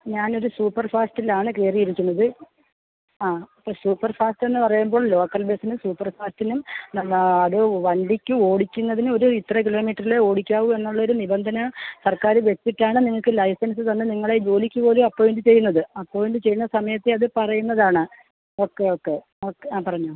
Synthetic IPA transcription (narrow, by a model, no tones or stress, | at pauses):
ɲaːno̞ɾusuːpːɐrfaːstilaːɳɨke̞ːrijiɾikʲːunːɐðɨ | aːɐpːɐsuːpːɐrfaːstenːɨpɐrɐjumbo̞ːɭlo̞ːkːɐlbeːsinumsuːpːɐrfaːstinumnɐmɐðɨʋɐɳɖikʲːuo̞ːɽikʲːunːɐðinɨo̞ɾuit̪ːrɐk̬ilo̞ːmiːʈːɐrile̞o̞ːɽikʲːaːʋume̞nːuɭːɐo̞ɾunibɐnd̪ʱɐnɐsɐrkaːɾɨʋet͡ɕːiʈːaːɳɨniŋːɐɭkɨlɐjsɐns̬ɨsɐnːɨniŋːɐɭe̞d͡ʑo̞ːlikʲːupo̞ːlumɐpːoːjiɳɖɨt͡ɕe̞jːunːɐðɨɐpːoːʋindɖɨt͡ɕe̞jːunːɐsɐmɐjɐt̪ːeɐðɨpɐrɐjunːɐðaːɳɨ | okːe̞okːe̞ | okːaːpɐrɐɲːu